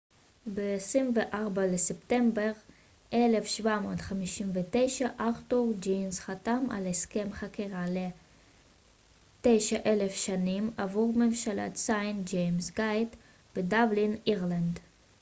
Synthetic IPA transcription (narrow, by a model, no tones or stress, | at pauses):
beːsʁimveʔaʁbalesepte̞mbeʁ | ʔele̞fʃvamoːt̪χamiʃimvet̪e̞jʃaʔaʁtuʁd͡ʒinsχatamʔa̰leske̞mχakiʁale | t̪e̞jʃaʔe̞lefʃanimavuʁmemʃala̰t̪sajnd͡ʒejmsɡajt | b̥edabliniʁland